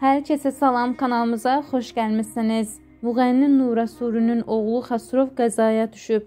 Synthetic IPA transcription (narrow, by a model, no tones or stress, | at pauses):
hæɾcʰæsæsɑlˠɑmkʰɑnɑlˠmɯzɑχo̞ʃɟælmisiniz̥ | muɣænːinːuːɾɑsuːɾynyno̞ɣlˠuχæsɾovɡæzɑːjɑd̪ʰyʃyp̚